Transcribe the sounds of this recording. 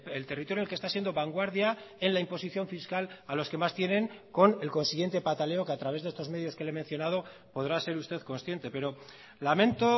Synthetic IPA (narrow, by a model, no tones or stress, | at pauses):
elt̪erit̪ojelkest̪asjend̪o̞βaŋɡwaɾðja | enlaimpo̞siθjo̞ɱfiskalalo̞ske̞mast̪je̞nẽ̞ŋko̞ne̞lko̞nsiɣje̞nt̪e̞pat̪ale̞o̞keat̪ɾaβe̞zðest̪ome̞ðjoske̞leme̞n̟θjo̞nað̞o̞po̞ð̞ɾase̞ɾust̪e̞ðko̞nsθje̞nt̪e̞pe̞ɾo̞ | lamẽ̞nt̪o̞